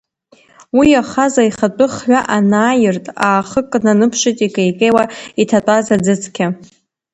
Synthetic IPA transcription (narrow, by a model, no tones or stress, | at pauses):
wiaχazaiχat͡pʼɨχħʷᶣaʔanaːjɪrtʼaːχəkʼnanɨpʰʂɪtʼikʼejkʼejwaitʰatʷʼazad͡zɨt͡sʰkʲʰa